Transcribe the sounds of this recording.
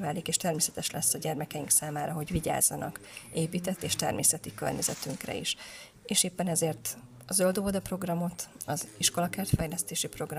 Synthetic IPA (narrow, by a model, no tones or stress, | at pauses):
vaːlikeːʃt̪ɛrmeːsɛt̪ɛʃlɛsːɒɟɛrmɛkɛiŋksaːmaːɾɒɦo̞ɟʋiɟa̰ːzːɒnɒ̰keːpiːt̪ɛt̪ːeːʃt̪ɛ̰rmḛːsɛt̪ikø̰rɲɛzɛ̰t̪yŋkrɛ̰ḭʃ | eːʃeːpːɛnɛzeːrt̪ | ɒzøld̪oːod̪ɒpro̞ɡrɒmo̞t̪ɒziʃko̞lɒkɛːrt̪fɛjlɛst̪eːʃipro̞ɡr